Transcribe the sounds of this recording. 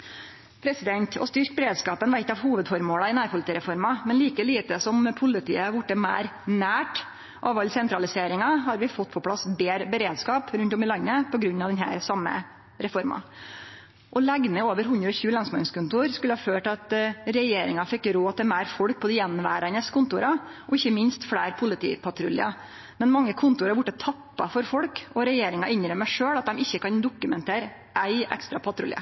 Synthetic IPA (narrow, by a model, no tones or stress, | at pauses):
pʰɾɛsɪd̪ɛnt̪ʰɔ̰st̪ʏɾk̚bəɾeːd̪skɑːpənʋæɪt̪ːəɑʋhuːʋəd̪fɔɾmoːlɑɪnæːɾpʊlɪt̪iːɾɛfɔɾmɑmɛnliːkəliːt̪əsɔmpʰʊlɪt̪ʰḭːəʋʊʈːəmæ̰ːɾnæːʈ | ʔɑʋɑlsɛnt̪ɾɑlɪseːɾɪŋɑɦɑɾʋɪfɔt̪ːpʰɔpʰɽɑsbeːɾbəɾeːd̪skɑːpɾʉnt̪ɔmɪlɑnːəpʰɔɡɾʉnːɑʋd̪ɛnɦæ̰ːɾsɑmːə̰ | ɾɛfɔɾmɑ̰ | ʔɔlæɡ̪məoːʋəɾɦʉnd̪ɾəɔçʉːəlɑnsmɑnskʊnt̪ʊːɾskʉləhɑføːʈɑt̪ɾɛjeːɾɪŋɑfɪkːɾoːt̪ɪlmæːɾfɔɽk̚pʰɔd̪ɪjɛnʋæ̰ːɾɑnəskʰʊnt̪ʊɾɑʔɔɪçːəmɪnst̪fɽæːɾpʰʊlɪt̪ʰḭːpʰɑʈ̪ʰɾʉlɪ̰ɑ | mɛnmɑŋːəkʰʊnt̪ʊɾɑɾbʊʈːət̪ʰɑpːɑfɔɾfɔɽkɔɾɛjeːɾɪŋɑʔɪnɾəmːæʂøːɽɑt̪̚d̪ɛmɪçːəkɑnd̪ʊkːʉmɛnt̪ʰeːɾ | ʔæɪɛ̰kst̪ɾɑpʰɑt̪ʰɾʉ̰lɪə̰